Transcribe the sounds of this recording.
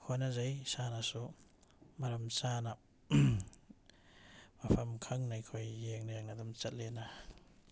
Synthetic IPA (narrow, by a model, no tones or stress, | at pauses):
hʰojnazajsanasu | maɾamsana | mapʰamkʰaŋnajkʰojːeŋnajaŋnadɔmt͡ʃɐt̚lena